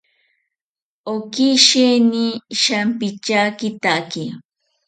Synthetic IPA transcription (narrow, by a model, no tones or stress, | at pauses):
okiʃeniʃampɪt͡ʃakɪt̪aki